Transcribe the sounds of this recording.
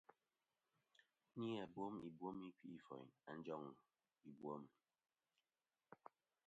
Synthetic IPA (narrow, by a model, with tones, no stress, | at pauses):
ni˦a˨bwo˦mḭ˨bwo˦mi˦ki˦i˦˨fɔ̰˨ja˨n̩˦d͡ʒɔ˦˨ŋ˨ | i˨bwo˦m